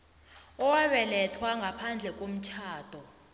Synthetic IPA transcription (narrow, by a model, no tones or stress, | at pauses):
ɔwaɓɛlɛtʰwaŋɡʱapʰand͡ɮʱɛk̬ʼom̩t͡ʃʰaːd̥ʱɔ